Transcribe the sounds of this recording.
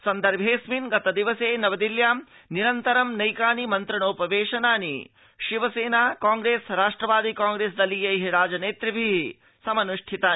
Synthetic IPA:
sɐnd̪ɐɾbʱɦeːsminɡɐt̪ɐd̪iʋɐseːnɐʋɐd̪iljaːm | niɾɐnt̪ɐɾɐmnɐjkaːnimɐnt̪ɾɐɳoːpɐʋeːʃɐnaːnḭ | ʃiʋɐseːnaːkaːŋɡɾeːsɾaːʂʈɾɐʋaːd̪ikaːŋɡɾeːs̬d̪ɐlːijɐɦiɾaːd͡ʒɐneːt̪ɾɐbʱiɦ | sɐmɐnuʂʈʰit̪aː

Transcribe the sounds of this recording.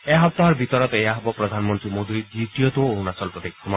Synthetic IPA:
eɦɔp̚t̪aɦɔɾbʱit̪ɔɾɔt̪ɔejaɦɔbɔpɾɔd̪ʱanɔmɔnt̪ɾimod̪ʱid̪iʈijɔt̪oonasɔlpɾɔt̪ekʰɔma

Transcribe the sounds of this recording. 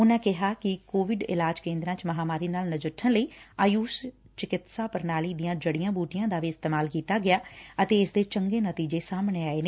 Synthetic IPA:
ʊnãːkɪɦaːkɪkoːʋɪɖɪ̰laːd͡ʒkẽːnd̪ɾãːt͡ʃməɦaːmaːɾiːnaːlnəd͡ʒəʈʰːənləiːaːjuːs | t͡ʃɪkɪt̪saːpəɾnaːliːd̪ɪjãːd͡ʒəɽijãːbuːʈijãːd̪aːʋiːɪst̪eːmaːlkiːt̪aːɡɪjaːət̪eːɪsd̪eːt͡ʃəŋɡeːnət̪iːd͡ʒeːsaːmɳeːaːeːne

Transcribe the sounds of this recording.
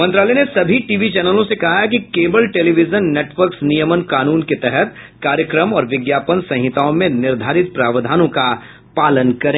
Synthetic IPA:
mɐ̃nt̪ɾaːlɛnesɐbʱiʈiːʋit͡ʃɛːnəlõsekɐɦak̬ikeːbəlʈeːliʋɪd͡ʒənːeːʈʋəɾksnijəmənkaːnuːnket̪ɛɦɛt̪ | kaːɾjəkɾəmɔːɾʋɪɡjaːpənsɐ̃ɦɪt̪aːõmẽnɪɾd̪ʱaːɾɪt̪̚pɾaːʋəd̪ʱaːnõka | paːlənkɐɾẽː

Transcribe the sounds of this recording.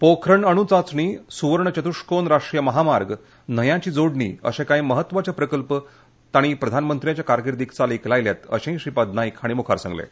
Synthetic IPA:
pokʰɾəɳəɽ̃ut͡sat͡sɳiːsuʋəɾɳət͡ɕət̪uʂkonɾaʂʈɾijəməɦamaɾɡ | nəjãt͡ɕiːd͡zoɽɳḭːə̰ɕẽkaiməɦət̪ːʋat͡ɕapɾəkəlpə | t̪aɽ̃ipɾəd̪ʱanmənt̪ɾijat͡ɕjakaɾɡiɾd̪ikt͡saliklajljat̪ə̰ɕẽɦĩɕipad̪najkaɽ̃imukʰa̰ɾsa̰ŋɡlḛ

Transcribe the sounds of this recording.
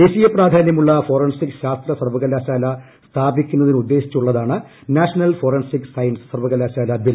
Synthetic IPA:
d̪eːɕijɐpraːd̪ʱaːnjɐmuɭːɐfo̞ːrɐnsikɕaːst̪rɐsɐrʋɐɣɐlːaːɕaːlɐ | st̪ʰaːbikʲːunːɐðinɨud̪ːe̞ːɕi̥t͡ɕːuɭːɐðaːɳɨ | naːɕɐnɐlfo̞ːrɐnsiksɐjnssɐrʋɐɣɐlːaːɕaːlɐbil

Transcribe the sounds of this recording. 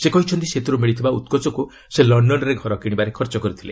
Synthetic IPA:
sekɔɦit͡ʃʰɔnt̪iset̪uɾumiɭit̪ʰibaut̪̚kɔt͡ʃɔku | selɔɳɖɔnɔɾeɡʱɔɾɔkiɽibaɾekʰɔɾt͡ʃɔkɔɾit̪ʰile

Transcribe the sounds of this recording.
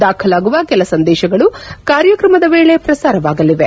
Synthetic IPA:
d̪aːkʰɐlaːɡuʋɐkɛlɐsɐnd̪ɛːʃɐɡɐɭukaːɾjɐkɾɐmɐd̪ɐʋeːɭe̞pɾɐsaːɾɐʋaːɡɐliʋe

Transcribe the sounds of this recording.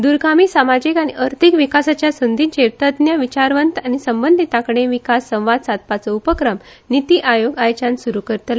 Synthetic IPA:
d̪uɾɡamiːsamad͡ʑikaɽ̃iʔəɾt̪ʰikʋikasat͡ɕjasund̪ʱint͡ɕeɾt̪əd̪njəʋit͡ɕaɾʋənt̪añisəmbənd̪ʱit̪akɽ̃eʋikasːə̃w̃ʋad̪sad̪̚pat͡səupəkɾəm | nit̪iʔajoɡajt͡ɕãnsuɾukəɾt̪la

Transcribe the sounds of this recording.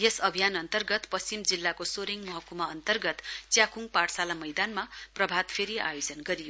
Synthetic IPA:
jesʌbʱijanʌnt̪ʌrɡʌt̪pʌst͡simd͡zilːakosoɾiŋmʌɦʌkumaʌnt̪ʌrɡʌt̪t͡sjakuŋpaʈsalamʌjd̪anmaprʌbʱad̪pʰeɾia̰jod͡zʌnɡʌɾijo

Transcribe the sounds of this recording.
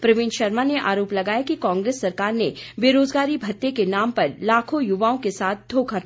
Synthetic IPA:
pɾɐʋɪ̃ːnʃɐɾmaneʔa̰ːɾoːplɐɡaːjakikãːŋɡɾeːsːɐɾkaːɾnebeːɾoːzɡaːɾibʱɐt̪ːekenaːmpɐɾlaːkʰõjʊʋaːõkesaːt̪̚ʰd̪ʱoːkʰa

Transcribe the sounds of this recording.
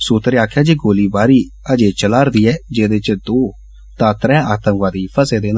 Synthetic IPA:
suːt̪ɾeaːkʰjaːd͡ʒeːɡoːliːbaːɾiː | əd͡ʒeːt͡ʃəlaːɾd̪iːɛːd͡ʒeːd̪et͡ʃd̪oː | t̪ãːt̪ɾɛ̃ːaːt̪ə̃ŋʋaːd̪iːpʰəseːd̪eːn

